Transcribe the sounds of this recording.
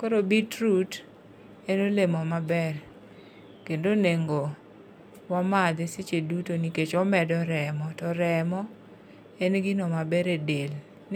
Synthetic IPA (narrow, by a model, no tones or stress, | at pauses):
koɾobitɾut | enolemɔmabɛr | kendoneŋɡo | wamad̪eset͡ʃedutoniket͡ʃɔmɛdɔɾɛmɔtɔɾɛmɔ | enɡɪnɔmabɛɾedel